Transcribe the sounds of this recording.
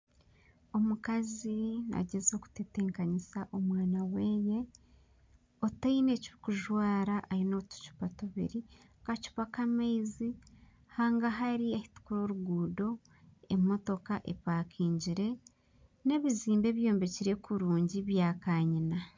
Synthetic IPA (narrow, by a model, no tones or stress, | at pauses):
o̞mukazina̰ɟe̞zo̞ku̥tete̞ːŋkaɲisaʔomwaːnaweːje̞ | otaine̞ciβikuʒwaːɾaʔaɾino̞tu̥cu̥patuβḭɾi | kacu̥pakameizi | haːŋɡaɦaɾiahi̥tu̥kuɾo̞ɾuɡuːdo̞ | emo̞to̞kaʔḛpaːkʰiːɲɟiɾe̞ | ne̞βiziːmbe̞ːβjo̞ːmbe̞ciɾe̞kuɾuːɲɟiβjaːkaːɲina